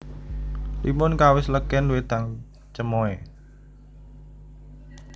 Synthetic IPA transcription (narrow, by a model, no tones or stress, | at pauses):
limʊnkawɪsləkɛnwet̪aŋ | t͡ʃəmoe